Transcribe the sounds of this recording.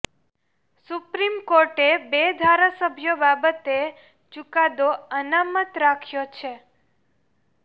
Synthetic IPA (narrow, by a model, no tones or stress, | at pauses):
supɾimkoɾʈebed̪ʱaɾasəbʱjobabət̪e | t͡ʃukad̪oənamət̪ɾakʰjot͡ʃʰe